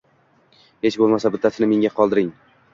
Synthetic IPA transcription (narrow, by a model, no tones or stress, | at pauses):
he̞t͡ʃbolˠmasabɪd̪ʰːasɪnɪme̞ŋʲaqʰɒlˠd̪ɪɾɪŋ